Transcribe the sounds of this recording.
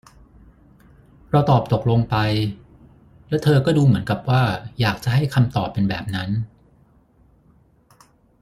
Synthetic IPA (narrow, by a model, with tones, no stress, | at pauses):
ɾa˧wt̪ɔː˨˩p̚t̪o˨˩k̚lo˧ŋpa˧j | lɛ˦˥wt̪ʰɤː˧kɔː˥˩duː˧mɯ˩˦ənka˨˩p̚waː˥˩jaː˨˩k̚t͡ɕa˨˩ɦa˥˩jkʰa˧mt̪ɔː˨˩pːe˧nbɛ̰ː˨˩p̚na˦˥n